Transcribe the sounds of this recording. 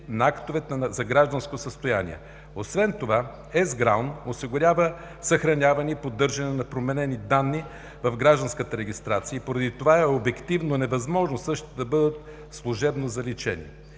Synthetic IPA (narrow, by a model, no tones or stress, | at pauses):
nɐakt̪ovɛt̪zɐɡɾaʒd̪ɐnskosəst̪ojanḭɛ̰ | osvɛnt̪ova | ɛzɡɾawnosiɡʊɾʲavə | sɐxɾɐnʲavɐnipod̪ɤɾʒɐnɛnɐpɾomɛnɛnid̪anːi | vɐvɡɾaʒd̪ɐnskət̪əɾɛɡʲist̪ɾat̪siəipoɾɐd̪it̪ovaɛobɛkt̪ivnonɛvɐzmɔʒnosɤʃt̪id̪ɐbɤd̪ət̪̚ | slˠʊʒɛbnozɐlit͡ʃɛ̰nḭ